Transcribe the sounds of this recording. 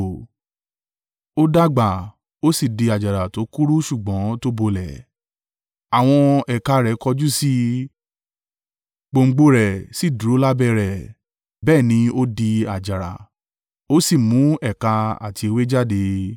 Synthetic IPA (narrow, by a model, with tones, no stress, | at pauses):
o˦da˦ɡ͡ba˨ | o˦si˦˨di˧a˨d͡ʒa˨ɾa˨to˨˦ku˦ɾu˦ʃu˦˨ɡ͡bɔ̃˨˦to˦bo˧lɛ˨ | a˨w̃ɔ̃˧ɛ˨ka˧ɾɛ˨˦kɔ˧d͡ʒu˦si˦ | k͡po˧ŋ͡m̩˧˦ɡ͡bo˦ɾɛ˨si˦˨du˨ɾo˨˦la˦bɛ˧ɾɛ˨ | bɛː˦˨nĩ˧o˦di˧a˨d͡ʒa˨ɾa̰˨ | o˦si˦˨mũ˨˦ɛ˨ka˧a̰˨ti˧e˧we˦d͡ʒa˦˨de˧